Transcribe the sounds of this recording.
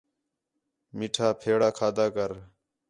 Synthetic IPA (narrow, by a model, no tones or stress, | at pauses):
miʈʰaːpʰeːɽaːkʰaːd̪aːkəɾ